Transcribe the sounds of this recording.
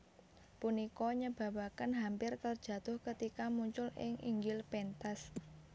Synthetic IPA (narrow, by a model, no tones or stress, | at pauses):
punikɔɲəb̥a̤wakənɦampɪrt̪ərd̥ʒ̥ä̤t̪ʊhkət̪ikamuɲt͡ʃʊlɪ̰ŋʔḭŋɡɪlpɛnt̪as